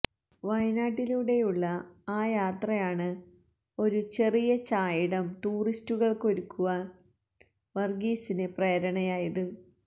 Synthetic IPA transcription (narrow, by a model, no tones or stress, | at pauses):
ʋɐjnaːʈːiluɽe̞juɭːɐaːjaːt̪rɐjaːɳɨ | o̞ɾut͡ɕe̞rijɐt͡ɕaːjiɽɐmʈ̪uːristːuɣɐɭko̞ɾukːuʋɐ | ʋɐrɡiːsine̞preːɾɐɳɐjaːjɐðɨ